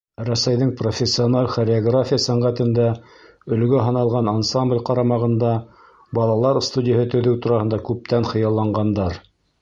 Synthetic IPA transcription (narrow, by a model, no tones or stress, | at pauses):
ɾæsæjðɘŋprofʲesʲːionalʲχoɾʲɪoɡrafʲijəsæɴʁæt̪ɘ̆nd̪æ | ɵ̆lɡɵɦɑnɑlˠʁɑnansamblʲqɑɾɑmɑʁɤ̆nd̪ɑ | bɑlˠɑlˠɑɾst̪udʲɪjəɦɤt̪ɵ̆ðɘwt̪uɾɑhɤ̆nd̪ɑkʉp̚t̪ænχɤ̆jɑlˠːɑɴɢɑnd̪ɑɾ